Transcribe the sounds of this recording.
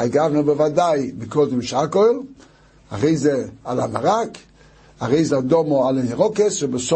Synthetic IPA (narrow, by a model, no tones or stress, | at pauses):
aɡavnubevadajbɪkoldimʃakojl | a̰ʁejzɛalamaʁak | aʁejzɛadomoalaniʁɔkesʃebes